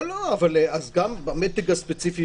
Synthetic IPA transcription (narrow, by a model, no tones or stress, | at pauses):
loavaleazɡambamet̪iɡaspet͡sifi